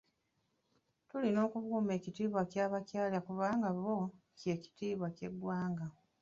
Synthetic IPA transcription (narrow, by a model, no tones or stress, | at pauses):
tulino̞ːkuβuːme̞ːcitiːβwacaːβacaːlakuβaːŋɡaβo̞ | ce̞ːci̥tiːβwace̞ɡwaːŋɡa